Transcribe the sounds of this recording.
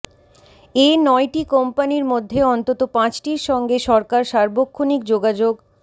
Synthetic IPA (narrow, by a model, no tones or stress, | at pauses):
enɔjʈikɔmpaniɾmod̪ʱːeɔnt̪ot̪opãt͡ɕʈiɾʃɔŋɡeʃɔɾkaɾʃaɾbokʰːonikd͡ʑoɡad͡ʑoɡ